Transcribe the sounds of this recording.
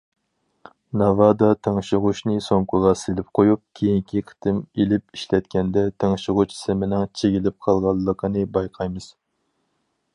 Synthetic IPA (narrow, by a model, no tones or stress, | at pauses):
nɑvɑd̪ɑt̪ʰeŋʃɪʁuʃnɨsoŋkʰʊʁɑselɪp̚qʰojup̚kʲʰejiŋkʲʰiqʰə̥t̪ʰɨmelɪp̚iʃlɛt̪kʲɛnd̪ɛt̪ʰeŋʃɪʁʊt͡ʃʰsɪmɪnɪŋt͡ʃʰeɡʲilɪp̚qʰɑlˠʁɑlˠːəqʰənɨbɑjqʰɑjmɨz̥